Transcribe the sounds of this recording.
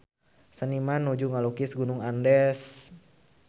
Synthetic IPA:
sənimanːud͡ʒuŋalukisɡunʊŋandɛs

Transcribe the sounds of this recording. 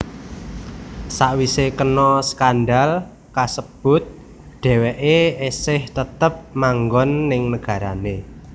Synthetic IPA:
saʔwisekənɔskanɖal | kasəb̥ʊt̪̚ | ɖ̥ɛ̤wɛʔeesɪht̪ət̪əp̚maŋɡɔnːɪŋnəɡ̥a̤ɾane

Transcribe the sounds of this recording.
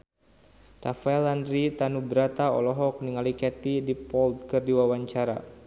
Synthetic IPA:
ra̰faɛlandɾit̪anubəɾat̪aɔ̰lɔɦɔk̚niŋalikɛt̪idipɔld̪̚kɨrdiwawaɲt͡ʃaɾa̰

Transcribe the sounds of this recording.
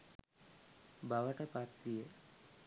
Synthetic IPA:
baʋəʈəpat̪ɾijə

